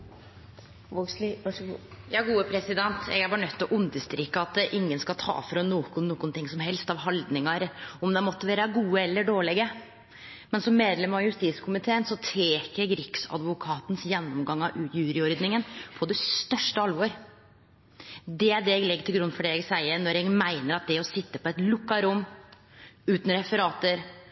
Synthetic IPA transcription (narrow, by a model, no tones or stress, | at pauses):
ʋoɡslɡjɑːɡuːəpʰɾɛsɪd̪ɛnt̪ɛ̰ɡæɾbɑːɾɳœt̪ʰːɔʔʊnd̪əst̪ɾiːkːəɑt̪ʔɪŋːənskɑlt̪ʰɑ̰ːfɾɔnːuːkʊnːuːkːʊnt̪ʰɪŋsɔmɦɛlst̪ɑʋɦɑld̪nɪŋɑɾɔmd̪ɛmɔt̪ːəʋæːɾəɡuːəɛlːəɖoːɭɛɡə | mɛnsɔmːeːd̪lɛmɑʋjʉst̪iːskʰʊmɪt̪ʰeːənsɔt̪ʰeːkəɾɡɾɪksɑ̰d̪ʋʊkʰɑːt̪n̩sjɛnːɔmɡɑŋɑʋʉːjʉːɾɪɔɾd̪nɪŋənpʰɔd̪ɛst̪œʂʈəɑlʋɔɾ | d̪ɛæɖɛɛɡlɛɡːʈ̪ʰɪɡɾʉnːfɔɖɛɛɡsæɪəɾnɔɾɛɡmæɪnəɾɑt̪̚d̪ɛɔsɪt̪ːəpʰɔɛt̪lʊkːɑɾʊmː | ʉːt̪n̩ɾɛfəɾɑːt̪əɾ